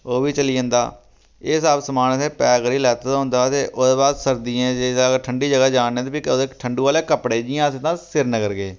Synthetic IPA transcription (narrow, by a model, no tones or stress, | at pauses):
oːʋiːt͡ʃəliːd͡ʒə̃ːnd̪a̰ː | eːsaːbsəmaːnsẽːpɛːɡəɾiːlɛːt̪ːt̪aɦʊ̃nd̪aːt̪eːʔod̪eːbaːd̪səɾd̪ĩːɛ̃ːd͡ʒeːaɡəɾʈʰəɳɖiːd͡ʒəɡaːd͡ʒaːnẽːt̪epioekʈʰəɳɖuːaːleːkəpɽeːd͡ʒɪjãːsẽːt̪ãːsɪɾnəɡəɾɡeː